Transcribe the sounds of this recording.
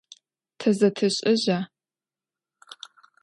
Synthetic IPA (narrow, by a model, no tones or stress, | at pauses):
tʰɐzɐtʰɨɕʼɪʑaː